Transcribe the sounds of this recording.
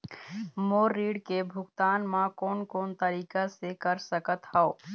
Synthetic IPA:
moːɾːiːɽkebʱʊɡt̪aːnmãkoːnkoːnt̪əɾiːkasekəɾsəkət̪haoː

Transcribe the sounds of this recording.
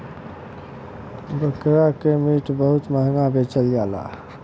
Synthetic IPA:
bəkɾakemiʈbəɦut̪məɦŋɡãbet͡ʃəlɡala̰

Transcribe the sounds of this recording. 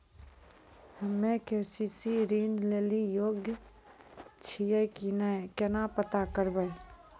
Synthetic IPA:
həmẽkesisiɾiːnd̪leːlijoːɡjə | t͡ʃʰijəjkinakɛnapət̪akəɾbəj

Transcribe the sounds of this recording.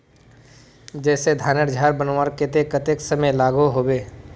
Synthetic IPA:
d͡ʒɛːsed̪ʱaːnəɾd͡ʒʱaːɾbənwaːɾket̪ekɐt̪eksəməjlaːɡuɦoːweː

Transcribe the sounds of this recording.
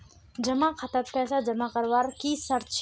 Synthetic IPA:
d͡ʒɐmakʰɐt̪əɾpɛːsad͡ʒɐmakɐɾʋaɾkisɐɾt͡ʃʰ

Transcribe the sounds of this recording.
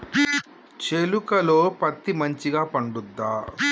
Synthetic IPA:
t͡ʃelukɐlo̞ːpɐt̪ːimɐɲt͡ʃiɡaːpɐɳɖud̪ːaː

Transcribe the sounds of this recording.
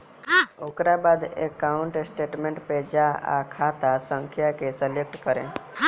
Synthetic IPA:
ɦoːkɾabad̪ḛkaʊɳʈsʈeːʈmẽɳʈped͡ʒaa̰kʰat̪asə̃ŋkʰjakesəlek̚ʈkəɾḛ̃

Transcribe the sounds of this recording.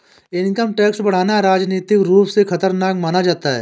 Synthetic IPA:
ɪnkəmʈɛːksbɐɽ̤aːnaɾaːd͡ʒniːt̪ɪkɾuːpsexʰɐt̪əɾnaːkmaːnad͡ʒaːt̪aɦɛ̰ː

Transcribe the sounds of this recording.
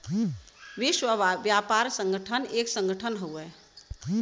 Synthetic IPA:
ʋiʃwəʋjapaɾsə̃ŋɡəʈʰəneːksə̃ŋɡəʈʰənɦəwɛ

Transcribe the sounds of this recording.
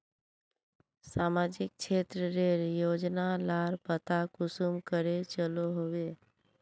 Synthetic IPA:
saːmaːd͡ʒɪk̚t͡ʃʰeːt̪ɾəɾeɾjoːd͡ʒnalaːɾpət̪akʊsumkəɾet͡ʃəloɦowe

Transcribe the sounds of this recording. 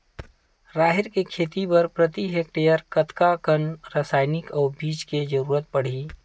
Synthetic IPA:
ɾaːɦɪɾkekʰeːt̪ipɐɾpɾət̪iɦek̚ʈejəɾkət̪kakənɾaːsaːɪnɪkɔːɾbiːt͡ʃked͡ʒəɾuːɾət̪̚pɐɽ̤iː

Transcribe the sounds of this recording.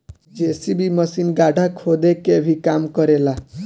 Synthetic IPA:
d͡ʒesibimʌsinɡaɖʱakʰod̪ekebʱikamkɔɾela

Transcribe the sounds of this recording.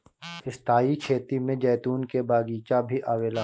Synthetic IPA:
ɪst̪ʰaːikʰeːt̪imẽd͡ʒɛːt̪uːnkebaːɡiːt͡ʃabʱiʔaːʋeːla

